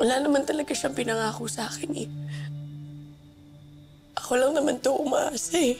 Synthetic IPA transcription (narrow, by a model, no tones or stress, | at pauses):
wɐlaːnɐmant̪ɐlɐɡaʃɐŋpɪnɐŋaːkosɐaːkɪnʔɛ̰ | ʔɐko̞lɐŋnɐmant̪oʔʊmaʔaːsa